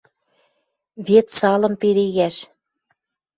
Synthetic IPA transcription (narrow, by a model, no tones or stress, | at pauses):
βet̪sɑlɤ̆mpeɾeɣæʃ